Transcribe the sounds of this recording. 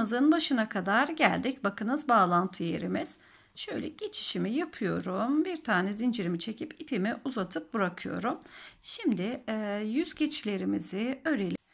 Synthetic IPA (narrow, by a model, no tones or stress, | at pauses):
ɯzɯnbaʃɯnakʰad̪aɾɟælʲd̪icbakɯnɯzbaːlˠant̪ʰɯjḛɾimiz̥ | ʃø̞jlʲɛ̰ɟ̥e̞t͡ʃʰi̥ʃimijapʰɯjo̞̰ɾumbiɾt̪ʰaːnɛzind͡ʒeɾimit͡ʃʰe̞cʰipipʰimiʔuzat̪ʰɯp̚bɯɾakʰɯjo̞̰ɾumʃimd̪ɪjyzɟet͡ʃʰlʲe̞ɾimizɪøɾelʲ